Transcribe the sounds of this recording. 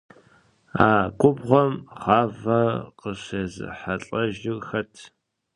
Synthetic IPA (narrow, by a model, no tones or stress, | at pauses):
aːkʷʼʊbʁʷɔmχɑːvɐqəɕezɨ̰ħaɬʼɐʒɪxɐtʰ